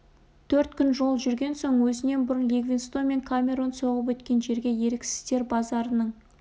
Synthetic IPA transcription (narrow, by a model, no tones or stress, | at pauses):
t̪ʰɵɾt̪kʲʰʏnʒo̞lˠʒʏɾɡʲe̞nso̞ɴwɵzɪne̞nbʊɾənleɡvʲinst̪o̞me̞ŋkʰamʲe̞ɾo̞nso̞ʁəp̬wɵt̪kʲe̞nʒe̞ɾɡʲe̞je̞ɾekʲsɪ̥st̪e̞ɾbɑzɑɾənəɴ